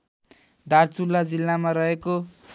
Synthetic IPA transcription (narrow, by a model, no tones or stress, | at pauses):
d̪ʱart͡sulːad͡zilːamaɾʌɦeko